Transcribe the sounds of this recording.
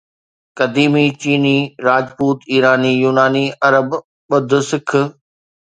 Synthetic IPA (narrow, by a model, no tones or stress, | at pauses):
kɐd̪iːmit͡ɕiːniːɾaːd͡ʑpuːt̪iːɾaːnijuːnaːniɐɾəb | ɓɐd̪ʱʊ̆sɪkʰʊ̆